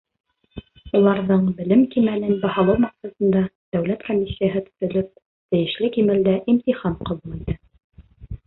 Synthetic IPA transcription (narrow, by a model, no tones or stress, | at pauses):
ulˠɑɾðɤɴbɘ̆lɘmkimænɘnbɑhɑlˠɤwmɑksɑt̪ɤ̆nd̪ɑd̪̥æwlæt̪komʲːisʲːijaɦɤt̪ɵ̥̆θɵ̆lɵp̚ | t̪ɘ̆jɘ̆ʃlɘkimɘ̆ld̪æʔimt̪iχɑmqɑβulˠit̪ɤ